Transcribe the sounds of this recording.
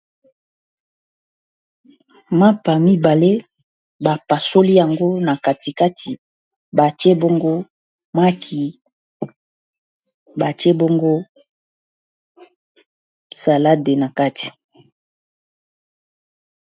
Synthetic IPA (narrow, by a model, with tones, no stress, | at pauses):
ma˦pa˨mi˦ba˨le˦ | ba˨pa˨so˦li˦ja˨ŋɡo˦na˨ka˨ti˨ka˦tʰi˨ | ba˨t͡ʃe˦bo˦ŋɡo˦ | mwa˦kʰi˨ | ba˨t͡ʃe˦bo˦ŋɡo˦ | sa˨la˦de˨na˨ka˦tʰi̥˨